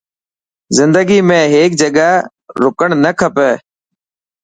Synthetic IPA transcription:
zɪnd̪əɡiːmẽːɦeːk̚d͡ʒəɠaː | ɾʊkəɳnəkʰəpɛː

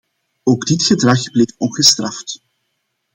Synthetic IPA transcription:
oːɡdɪtxədrɑxbleːfɔnɣəstrɑft

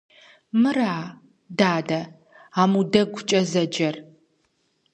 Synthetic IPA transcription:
mɨraː | daːdɐ | aːmudɐɡʷʊt͡ʃʼɐzɐd͡ʒɐr

